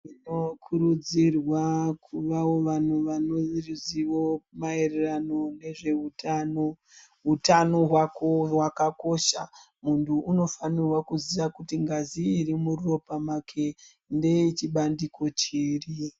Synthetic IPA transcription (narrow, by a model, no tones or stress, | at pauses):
ino̞kʰuɾud͡zirwakʰuʋawo̞ʋan̤uʋanoriziʋo̞mae̞rerano̞ne̞ʐe̞utʰano | ɦutano̞ɦwakowakako̞ʃa | muntʰuːno̞fanirwakuziʋakutiŋɡaziːɾimururo̞pamakʰe̞ | nde̞it͡ʃiɓandiko̞t͡ʃiːri